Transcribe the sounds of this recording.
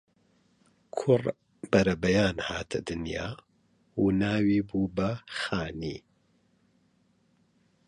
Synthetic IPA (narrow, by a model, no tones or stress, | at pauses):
kʰʊr | bɐɾɐbɐjaːnhaːt̪ʰɐ̰d̪ɨnja̰ː | uːnaːwiːbuːbɐxaːnḭː